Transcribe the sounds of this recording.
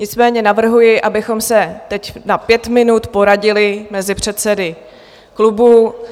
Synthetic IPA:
ɲɪt͡smɛːɲɛnavr̩ɦujɪʔabɪxo̞msɛt̪ɛcnapjɛt̪mɪnut̪po̞ɾaɟɪlɪmɛzɪpr̝̥ɛt̪sɛdɪ | klubu

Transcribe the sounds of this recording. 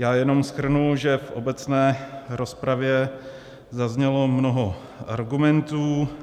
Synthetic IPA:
jaːjɛno̞msxr̩nulʒɛfʔo̞̰bɛt͡snɛːɾo̞spɾavjɛ | zazɲɛlo̞mno̞ɦo̞ | ʔaɾɡumɛnt̪uː

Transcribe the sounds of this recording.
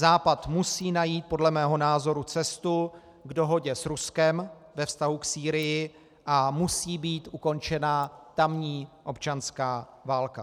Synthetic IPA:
zaːpat̪musiːnajiːt̪̚po̞dlɛmɛːɦo̞naːzo̞ɾut͡sɛst̪u | ɡdo̞ɦo̞ɟɛsɾuskɛm | vɛfst̪aɦuksiːɾɪjɪ | ʔamusiːbiːt̪ʔuko̞nt͡ʃɛnat̪amɲiːʔo̞pt͡ʃanskaːvaːlka

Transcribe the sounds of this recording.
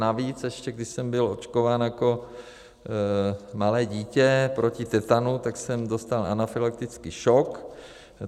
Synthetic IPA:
naviːt͡sɛʃcɛɡdɪʃsɛmbɪlo̞t͡ʃkovaːnjako̞ | malɛːɟiːcɛpɾʔo̞cɪt̪ɛt̪anut̪aksɛmdo̞st̪ala̰nafɪlak̚t̪ɪt͡skiʃok

